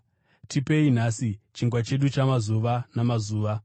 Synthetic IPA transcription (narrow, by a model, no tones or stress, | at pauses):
tʰipe̞in̤aːsit͡ʃiŋɡwat͡ʃe̞ɗut͡ʃamazuʋanamazuːʋa